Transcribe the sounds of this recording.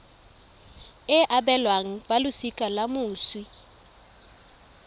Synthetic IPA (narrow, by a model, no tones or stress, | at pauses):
ɪʔabɛlwaŋ̩balʊsikʼalamʊːswi